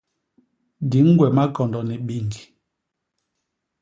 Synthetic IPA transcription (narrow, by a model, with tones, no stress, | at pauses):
di˨˦ŋ̩˦ɡwɛ˨ma˦kɔ˨ndɔ˨ni˨ɓi˦˨ŋɡi˨